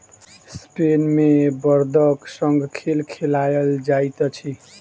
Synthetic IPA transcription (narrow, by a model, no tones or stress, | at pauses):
spenmebʌrd̪ʌksʌŋɡkʰelkʰelajʌld͡zajt̪ʌt͡sʰi